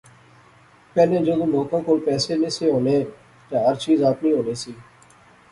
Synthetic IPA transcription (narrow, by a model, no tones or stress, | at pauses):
pɛːlẽːd͡ʒoːd̪ʊ̃loːkãːkoːlpɛːseːneːseːɦoːnẽː | t̪aɦəɾt͡ʃiːzaːpniːɦoːneːsiː